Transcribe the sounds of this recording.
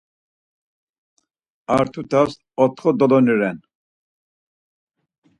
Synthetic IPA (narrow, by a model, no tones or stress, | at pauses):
aɾt̪ʰut̪ʰas | ɔt̪χɔd̪ɔlɔniɾɛn